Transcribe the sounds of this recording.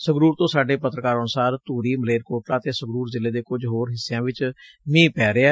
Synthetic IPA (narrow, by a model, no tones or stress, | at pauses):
səɡɾuːɾt̪õːsaːɖeːpət̪ɾəkaːɾɔnsaːɾt̪uːɾiːməleːɾkoːʈɾãːt̪eːsəɡɾuːɾzɪleːd̪eːkʊd͡ʒɦoːɾɦɪsːjãːʋɪt͡ʃ | mĩːpɛːɾeɛː